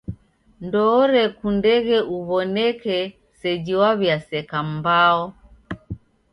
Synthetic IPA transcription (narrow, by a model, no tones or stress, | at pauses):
ndɔːɾɛkundɛɣɛuβɔnɛkɛ | sɛd͡ʒiwaβjasɛkambaɔ